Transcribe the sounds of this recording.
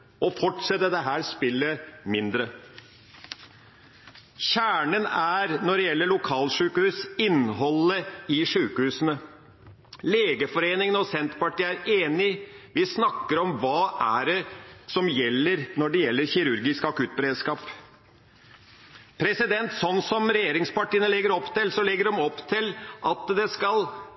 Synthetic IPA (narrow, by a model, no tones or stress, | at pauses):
ʔɔfɔʈʂɛt̪ːəd̪əɦæːɾspɪlːəmɪnd̪ɾə | çæːɳənæɾnɔɖɛjɛlːəɭʊkʰɑːlʂʉːkəhʉːsɪnɦɔlːəɪʂʉːkəhʉːsənə | leːɡəfɔɾeːnɪŋəəɔsɛnt̪pɑʈiːæɾeːnɪʋɪsnɑkːəɾɔmʋɑːʔæɖɛsɔmjɛlːəɾnɔɖɛjɛlːəɾçɪɾʉɾɡɪskɑkʉt̪̚bɛɾeːd̪skɑːp | pʰɾɛsɪd̪ɛnt̪sɔnːsɔmɾɛjeːɾɪŋspɑʈiːənəlɛɡəɾɔpːt̪ɪlsɔlɛɡːəɖɔmɔpːt̪ʰɪlʔɑt̪d̪ɛskɑl